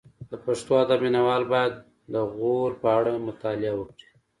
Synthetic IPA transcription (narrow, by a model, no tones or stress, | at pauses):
d̪əpaʂt̪oad̪abminawɑlbɑjad̪̚ː | əɣoɾpəaɽamʊt̪ɑlɪawəkɽi̥